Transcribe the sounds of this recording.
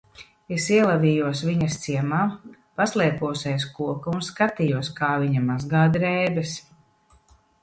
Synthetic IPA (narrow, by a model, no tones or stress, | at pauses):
esiɛlˠavijuɔsviɲɐst̪siɛmaː | paslˠɛɛpuɔsɛjskuɔkaunskat̪ijuɔskaːviɲamazɡaːd̪ɾɛjbɛs